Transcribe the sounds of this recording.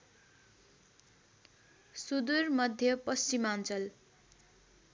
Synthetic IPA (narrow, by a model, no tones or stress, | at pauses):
sud̪urmʌd̪ʱjʌpʌst͡simant͡sʌl